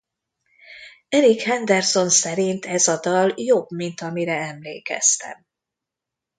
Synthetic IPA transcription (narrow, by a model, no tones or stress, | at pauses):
ɛɾikhɛnd̪ɛrso̞nsɛɾint̪ɛzɒd̪ɒljobmint̪ɒmiɾɛɛmlḛːkɛ̰st̪ɛ̰m